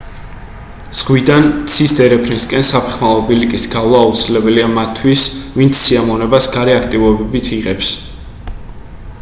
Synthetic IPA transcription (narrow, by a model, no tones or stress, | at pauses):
z̥ʁwid̪ant̪sʰisd̪ɛɾɛpʰɾinskʼɛnsapʰɛ̥χmalˠɔbilikʼisɡavlˠaːut̪sʰilɛbɛliamat̪ʰːwisvint̪sʰːiamɔnɛbasɡaɾɛakʰt̪ʼivɔbɛbit̪ʰiʁɛps